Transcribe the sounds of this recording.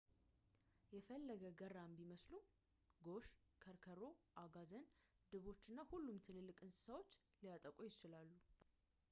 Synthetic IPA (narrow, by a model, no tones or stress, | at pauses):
jɛfəlːəɡəɡəɾːambiməslu | ɡo̞ʃkʰəɾkʰəɾo̞ʔaɡazənd̪ɨβo̞t͡ʃːɨnːahulːumt̪ʰɨlɨlːɨkʼɨnsɨ̥səwot͡ʃː | lijat̪ʼəkʼujɪt͡ʃɪlalːu